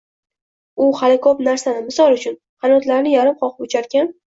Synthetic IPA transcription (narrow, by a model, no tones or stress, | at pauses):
ʊhalɪkʰopnaɾsanɪmɪsɒlˠʊt͡ʃʰʊn | χɑnɒt̪laɾnɪjaɾɪmqʰɒqɨpʊt͡ʃʰaɾkʲan